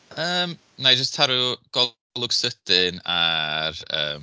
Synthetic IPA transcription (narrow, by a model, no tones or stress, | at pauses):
əːm | nad͡ʒəstʰaɾuɡ̥ɔ | lˠʊɡ̥səd̥ɪnarə̰ːm